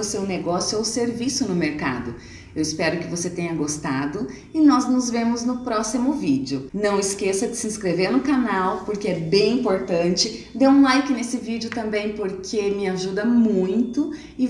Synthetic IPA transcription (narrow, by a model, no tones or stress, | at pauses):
ʊsewneɡɔsjʊowseɾvisʊnʊmeɾka̰d̪ʊ | ewɪspɛɾʊkɪvoset̪ẽjɲɐɡost̪ad̪ʊ | ɪnɔznʊzvẽmʊznʊpɾɔsimʊvid͡ʒʊnɐ̃w̃ɪskesɐd͡ʒɪsɪĩskɾeveɾnʊkanawpoɾkeɛbẽj̃ĩmpoɾt̪ɐ̃t͡ʃɪd̪eũlajkɪnesɪvid͡ʒɪʊt̪ɐ̃mbẽj̃poɾkʰemɪaʒud̪ɐmũj̃t̪ʊ | ɪ